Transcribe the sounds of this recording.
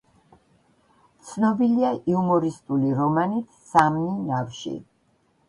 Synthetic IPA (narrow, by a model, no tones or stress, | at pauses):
t̪sʰnɔbiliaʔiumɔɾist̪ʼuliɾɔmanit̪ʰsamninafʃḭ